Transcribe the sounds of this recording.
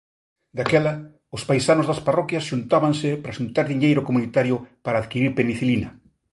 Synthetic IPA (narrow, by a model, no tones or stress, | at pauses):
d̪akɛlɐ | ʊspajsanozðɐsparɔkjɐsʃunt̪aβaŋsɪpɾɐʃunt̪aɾðiɲejɾʊkomunit̪aɾjʊpaɾaːðkiɾiɾpeniθilinɐ